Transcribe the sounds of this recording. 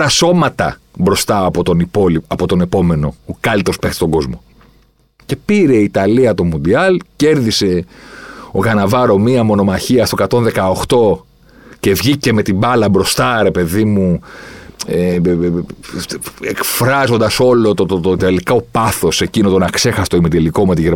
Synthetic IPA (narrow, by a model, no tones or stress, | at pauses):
ɾɐso̞mɐt̪ɐ̰ | bɾo̞st̪ɐpot̪onipoliɐpot̪o̞ne̞po̞me̞no̞okɐlit̪o̞spext̪ist̪oŋɡo̞zmo̞ | ce̞piɾeit̪ɐliɐt̪o̞mund̪iɐlce̞ɾðise̞ | oɣɐnɐvɐɾo̞miɐmo̞no̞mɐçiɐst̪okɐt̪o̞nðe̞kɐoxt̪o̞ | ce̞vʝice̞me̞t̪ibɐlɐbɾo̞st̪ɐɾe̞pe̞ðimu | e | ekfɾɐzo̞nd̪ɐso̞lot̪ot̪ot̪elikɐopɐθo̞se̞cinot̪o̞nɐkse̞xɐse̥t̪oimit̪eliko̞met̪iʝeɾ